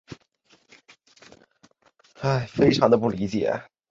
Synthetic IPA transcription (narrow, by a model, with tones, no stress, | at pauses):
a˥˩ɪfe˥ɪʈ͡ʂʰɑ˧˥ŋd̪ə˧pu˥˩li˧˥t͡ɕjɛ̰˨˩˦